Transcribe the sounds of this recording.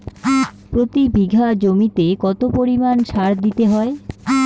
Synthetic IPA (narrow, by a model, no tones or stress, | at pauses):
pɾot̪ibiɡʱad͡ʑomit̪ekɔt̪opoɾimanʃaɾd̪it̪eɦɔe